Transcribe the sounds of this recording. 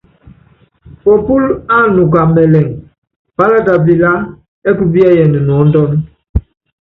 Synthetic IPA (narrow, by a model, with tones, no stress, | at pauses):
pɔ˨pu˦la˦˨nu˨k̬a˨mɛ˨lɛ˨ŋ | pa˦la˦ta˨bi˨la˦ | ɛ˦ku˦bi˦a˦jɛ˨ni˨n˨ɔ˨˦n̩˦dɔ˦n˦